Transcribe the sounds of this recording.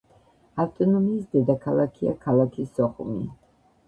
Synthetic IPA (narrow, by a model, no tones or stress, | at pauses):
aft̪ʼɔnɔmiːsd̪ɛd̪akʰalˠakʰia̰kʰalˠakʰisːɔχumḭ